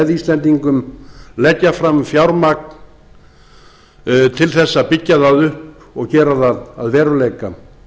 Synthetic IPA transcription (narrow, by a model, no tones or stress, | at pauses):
ðiːst̪lɛnt̪iŋkʏmlɛcːafɾamfjawɾmak̚n | t̪ʰɪlθɛsːapɪcːaðaðʏhp | ɔɣcɛːɾaðaðaðvɛːɾʏleːjka